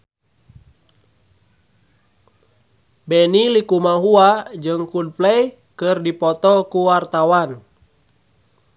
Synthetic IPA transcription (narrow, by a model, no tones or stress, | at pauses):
bɛnilikumaɦuad͡ʒɨŋkud̚plɛj | kɨrdipɔt̪ɔkuwart̪awan